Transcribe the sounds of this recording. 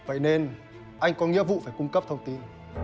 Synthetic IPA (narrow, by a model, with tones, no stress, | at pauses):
və̰˧˨jne˧n | ʔa˧jŋ̟kɔ˨˦ŋḭ˧˥əvṵ˧˨faː˧˩jkʊ˧ŋ͡mkə˦˥p̚t̪ʰə˧wŋ͡mt̪i˧n